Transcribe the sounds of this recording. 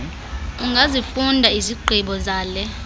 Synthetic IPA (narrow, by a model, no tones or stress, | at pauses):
uŋɡʱazifundʱaiziɡ͡ǃʱiɓɔzaːlɛ